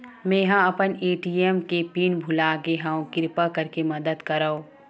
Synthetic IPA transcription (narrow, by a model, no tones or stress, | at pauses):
mẽːɦãɐpəneːʈiːemkepiːnbʱʊlaːɡeɦãõkɪɾpəkɐɾkemɐd̪əd̪kɐɾaõː